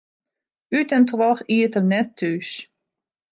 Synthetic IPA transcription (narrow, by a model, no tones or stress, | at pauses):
ytɛntwɔxiətəmnɛtːys